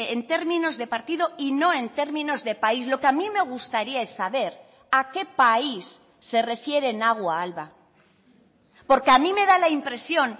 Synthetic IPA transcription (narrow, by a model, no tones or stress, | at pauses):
ent̪e̞ɾmĩno̞zðe̞paɾt̪iðo̞ino̞e̞nt̪e̞ɾmĩno̞zðe̞paislo̞keamime̞ɣ̞ust̪aɾiae̞sːaβe̞ɾ | ake̞paisː | e̞re̞fje̞ɾe̞ːnaɣ̞waalβa | po̞ɾkeamĩme̞ðalaimpɾe̞sjo̞n